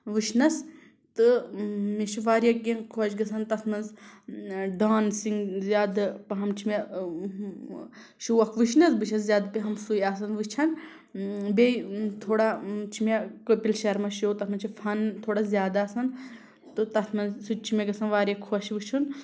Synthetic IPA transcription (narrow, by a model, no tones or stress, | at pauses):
ʋɨʃʰnɐs | t̪ɨmit͡ʃʰiʋaːɾjɐk̚ɡʲẽkʰoːʃɡɐsɐnt̪ɐt̪ʰmɐnz | ɖaːnsiŋɡzʲjaːd̪pɐɦɐmt͡ʃʰime | ʃuwɐkʰʋɨʃnɐzbɨt͡ʃʰɐzzʲjaːd̪peɦɐmsujaːs̬ɐnʋɨt͡ʃʰɐn | bet̪ʰoːɽat͡ʃʰimekopilʃɐɾmɐʃot̪ɐt̪ʰmɐnt͡ʃʰifʰɐnt̪ʰoːɽazʲjaːd̪aːsɐn | t̪ɨt̪ɐt̪ʰmɐnzsut͡ʃʰimʲeɡɐsɐnʋaːɾjɐkʰoːʃʋɨt͡ʃʰun